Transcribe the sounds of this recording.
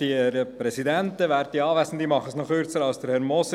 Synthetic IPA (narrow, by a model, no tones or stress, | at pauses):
dieɾəpɾɛsidɛntəʋæːɾt̚d̥iɑːʋæɪsən̩d̪iːmɑχəsnɔχʏɾt͡səɾɑlsd̥əɾhɛɾmɔs